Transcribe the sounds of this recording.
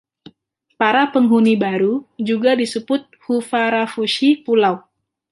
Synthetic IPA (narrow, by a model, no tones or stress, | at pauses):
paɾapəŋɦunibaɾud͡ʒuɡadisəbʊt̪̚hufaɾafuʃipulaw